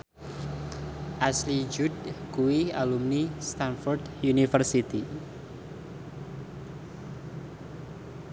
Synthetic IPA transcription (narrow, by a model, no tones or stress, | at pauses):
ʔaslid͡ʒudkuialumnist̪anfɔrd̪junifərsit̪i